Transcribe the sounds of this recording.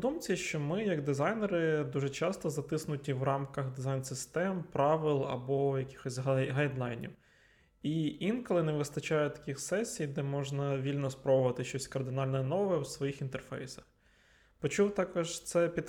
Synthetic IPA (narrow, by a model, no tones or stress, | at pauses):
d̪umt͡sʲɐʃt͡ʃɔmɪjɐɡd̪ɪzɑjnɛɾɪd̪uʒɛt͡ʃɑst̪ɔzɐt̪ɪsnʊtʲiwrɑmkɐɣd̪ɪzɑjnsɪst̪ɛmpɾɑʋɪlˠɐ̰bɔjɐkʲi̥xɔsʲɦɦɐjd̪lˠɑjnʲḭw | iinkɔlˠɪnɛʋɪst̪ɐt͡ʃɑjʊt̪ɐ̥kʲixsɛsʲːijd̪ɛmɔʒnɐʋʲilʲnɔspɾɔbʊʋɐt̪ɪʃt͡ʃɔsʲkɐrd̪ɪnɑlʲnɔɛnɔʋɛɛwsʋɔjixint̪erfɛ̰jsɐ̥x | pɔt͡ʃuwt̪ɑkɔʒt̪sɛpʲid̪